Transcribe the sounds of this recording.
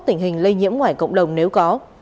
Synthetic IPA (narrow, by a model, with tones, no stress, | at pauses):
t̪ï˧˩ŋ̟hï˨˩ŋ̟lə˧jɲḭ˧˥əmŋwaː˧˩jkə̰˧˨wŋ͡mɗə˨˩wŋ͡mne˨˦wkɔ˨˦